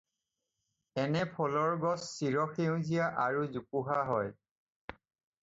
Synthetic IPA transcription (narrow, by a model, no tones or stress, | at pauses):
ɛnɛpʰɔlɔɹɡɔsːiɹɔxeʊ̃zijaʔaɹuzukuɦaɦɔj